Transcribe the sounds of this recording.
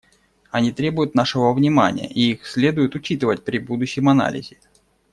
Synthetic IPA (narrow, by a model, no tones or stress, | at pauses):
ɐnʲit̪ɾʲe̞bʊjʊt̪naʂɨvəvnʲɪma̰nʲɪjə̰ʔiixsʲlʲe̞d̪ʊjʊt̪ʊt͡ɕit̪ɨvət̚ʲpɾʲɪbud̪ʊɕːɪmɐna̰lʲɪ̰zʲɪ